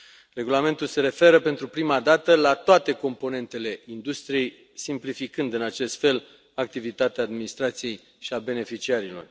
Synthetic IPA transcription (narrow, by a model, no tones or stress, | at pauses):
re̞ɡulame̞nt̪ulse̞ɾe̞fe̞ɾəpe̞nt̪ɾupɾimad̪at̪əlat̪oat̪e̞ko̞mpo̞ne̞nt̪e̞le̞ind̪ust̪ɾije̞j | simplifikɨnd̪ɨnat͡ʃe̞st̪fe̞l | ak̚t̪ivit̪at̪eaːd̪minist̪ɾat̪sije̞j | ʃiabe̞ne̞fit͡ʃiaɾilo̞̰r